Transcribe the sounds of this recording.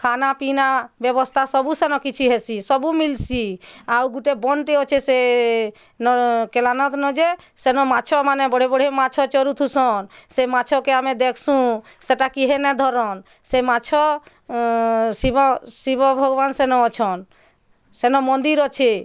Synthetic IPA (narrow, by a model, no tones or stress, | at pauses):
kʰanapinabebɔst̪ʰasɔbusenɔkit͡ʃʰiɦesisɔbumilsiawɡuʈebɔnʈeɔt͡ʃʰese | nɔkelanɔt̪nɔd͡ʒe | senɔmat͡ʃʰɔmanebɔɽ̤ebɔɽ̤emat͡ʃʰɔt͡ʃɔɾut̪ʰusɔnsemat͡ʃʰɔkeamed̪ekʰsũ | seʈakiɦenɛd̪ʱɔɾɔn | semat͡ʃʰɔ | sibɔsibɔbʱɔɡɔbansenɔɔt͡ʃʰɔn | senɔmɔnd̪iɾɔt͡ʃʰe